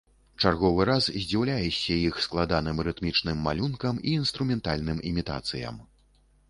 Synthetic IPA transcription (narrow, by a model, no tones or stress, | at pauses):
t͡ʂarɣɔvɨɾaszʲd͡zʲiwlʲajɛsʲɐjixsklˠad̪anɨmɾɨt̪mʲit͡ʂnɨmːalʲunkɐmiːnst̪ɾumʲɛnt̪alʲnɨmimʲit̪a̰t̪sɨjɐ̰m